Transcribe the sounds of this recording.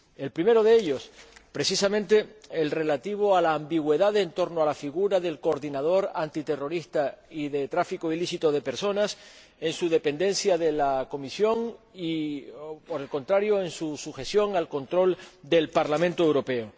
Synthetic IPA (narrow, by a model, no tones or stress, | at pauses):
e̞lpɾime̞ɾo̞ð̞e̞eʎo̞spɾe̞sisamẽ̞nt̪e̞ːlre̞lat̪iβ̞o̞alaːmbiɣwe̞ðaðent̪o̞ɾnoalafiɣuɾaðe̞lkoɾðinað̞o̞ɾant̪it̪e̞ro̞ɾist̪aiðe̞t̪ɾafiko̞ilisit̪o̞ð̞e̞pe̞ɾso̞nas | e̞nsuðe̞pend̪e̞nsjaðe̞lako̞misjo̞ŋi | po̞ɾe̞lko̞nt̪ɾaɾjo̞e̞nsusuxe̞sjo̞ŋalko̞nt̪ɾo̞ld̪e̞lpaɾlamẽnt̪oewɾo̞pe̞o